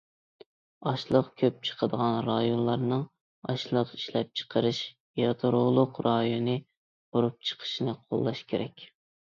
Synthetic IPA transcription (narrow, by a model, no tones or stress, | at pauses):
ɑʃlˠəqkʲʰøp̚t͡ʃʰə̥qʰəd̪əʁɑnɾɑjonlˠɑɾnɨŋ | ɑʃlˠəqi̥ʃlɛp̚t͡ʃʰə̥qʰəɾɨʃ | jɑt̪ʰuɾʊlˠʊqɾʔɑjonɨ | b̥oɾup̚t͡ʃʰə̥qʰə̥ʃinɨqʰo̰lˠːɑʃkʲʰeɾɛkʲ